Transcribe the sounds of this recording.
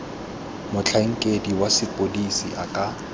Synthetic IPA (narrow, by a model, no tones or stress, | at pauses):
mʊt͡ɬʰaŋ̩kʼediwasɪpʼodisiʔakʼa